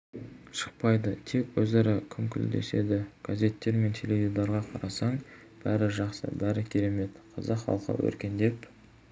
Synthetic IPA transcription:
ʃə̥q̚pɑjd̪ət̪ʰe̞kwɵzɑɾɑkʲʰɪmkʲʰɪld̪ḛse̞̰d̪ɪɡ̥aze̞t̪ːe̞ɾme̞nt̪ʰe̞lʲe̞vʲid̪oɾʁɑqʰɑɾɑsɑɴ | b̥æɾɪʒɑqsə̰bæɾɪkʲʰe̞ɾe̞me̞t̪qʰɑzɑqχɑ̰lˠqə̰wɵ̰ɾkʲe̞nd̪e̞p

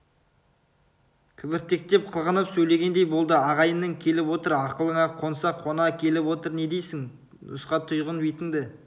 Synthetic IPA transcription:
kʲʰɪbɪɾt̪e̞k̚t̪e̞p̚qʰəlˠʁənəpsɵjle̞ɡʲe̞nd̪e̞jbo̞lˠd̪əɑʁɑjənːəŋkʲʰe̞lɪpwo̞t̪əɾɑqəlˠəɴɑqʰo̞nsɑqʰːo̞nɑkʲʰe̞lɪpwo̞t̪əɾne̞d̪e̞jsɪŋ | nʊ̰sqɑt̪ʰʊjʁənbejt̪ɪŋd̪ɪ

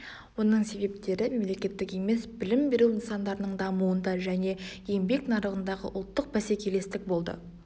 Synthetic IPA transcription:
wo̞nəɴse̞be̞p̚t̪e̞ɾɪme̞mle̞kʲe̞t̪ːɪke̞me̞sbɪlɪmbe̞ɾuwinsɑnd̪ɑɾənəɴd̪ɑmuənd̪ɑʒæne̞je̞mbe̞knɑɾəʁənd̪ɑʁə̰ʔʊlˠt̪ːəq̚bæsekʲʰe̞le̞st̪ɪk̚bo̞lˠd̪ə̰

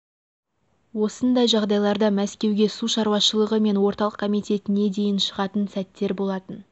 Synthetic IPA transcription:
wo̞sənd̪ɑjʒɑʁd̪ɑjlˠɑɾd̪ɑmæskʲe̞wɡʲe̞suʃɑɾwɑʃəlˠəʁəme̞nwo̞ɾt̪ɑlˠəqkʰomijt̪e̞t̪ɪne̞d̪e̞jɪnʃəʁɑt̪ənsæt̪ːe̞ɾbo̞lˠɑt̪ən

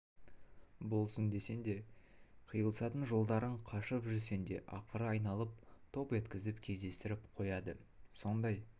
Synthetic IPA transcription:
bo̞lˠsənd̪e̞se̞nd̪e̞qʰəjəlˠsɑt̪ənʒo̞lˠd̪ɑɾəɴqʰɑʃəpʒʏɾse̞nd̪e̞̰ʔɑ̰qəɾəɑjnɑlˠəp̚t̪ʰo̞pʒe̞t̪kʲɪzɪpkʲʰe̞zd̪e̞st̪ɪɾɪpqʰo̞jɑd̪əso̞nd̪ɑj

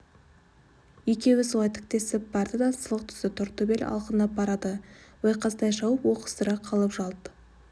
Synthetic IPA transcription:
ikʲe̞wɪsulˠɑjt̪ʰɪ̥k̚t̪e̞sɪp̚b̥ɑɾd̪əd̪ɑsəlˠəq̚t̪ʰʏ̥sɪt̪ʰʊɾt̪əbelɑ̰lˠqənɑbɑɾɑd̪əwojqɑst̪ɑjʃɑwəpwo̞qə̥st̪əɾɑqʰɑlˠəpʒɑlˠd̪ə

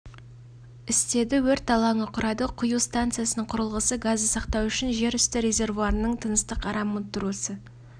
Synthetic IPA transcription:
ɪst̪e̞d̪ɪwɵɾt̪ɑlˠɑɴəqʰʊɾɑd̪əqʰʊjuwst̪ant̪sɨjasənəɴqʰʊɾəlˠʁəsəɡazːəsɑqt̪ɑwʏʃɪnʒe̞ɾʏst̪ɪɾʲe̞zʲe̞rvuaɾənəɴt̪ʰənəst̪əqʰɑɾɑmət̪ːʊɾusə

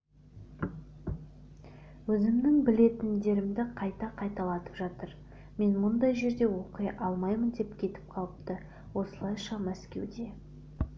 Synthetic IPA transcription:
wɵzɪmnɪŋbɪle̞t̪ɪnd̪e̞ɾɪmd̪ɪqʰɑjt̪ɑqʰɑjt̪ɑlˠɑt̪ə̥pʒɑt̪əɾ | me̞nmʊnd̪ɑjʒe̞ɾd̪e̞wo̞qəjʔɑlˠmɑjmənd̪e̞pkʲʰe̞t̪ɪ̥p̚qʰɑlˠəp̚t̪ə | wo̞səlˠɑjʃɑmæskʲe̞̰wd̪e̞

